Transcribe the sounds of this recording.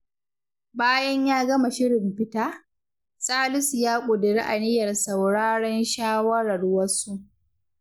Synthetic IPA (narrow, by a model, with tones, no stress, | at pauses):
baː˦jɐ˦ɲjaː˦ɡɐ˦ma˨ʃɪ˦ɽɪ˨mɸɪ˦taː˦ | sʼaː˦lʊ˦sjaː˦kʷʼʊ˨dɪ˨ɾi˦ʔa˨nɪ˦jɐ˨rsɐ˨wɽaː˦ɽɐ˦nʃaː˦wɐ˦ɽɐ˨ɽwɐ˦sːu˦ʔ